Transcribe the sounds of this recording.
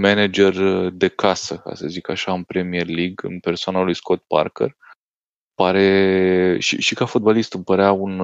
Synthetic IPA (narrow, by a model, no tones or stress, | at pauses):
mened͡ʒe̞rd̪e̞kʰasəka̰səzikaʃaɨnpɾe̞mierliɡɨ̰npe̞rsoanalujsko̞t̪̚pa̰rkḛr | paɾe̞ | ʃḭʃikafot̪̚balist̪ɨmpəɾeaun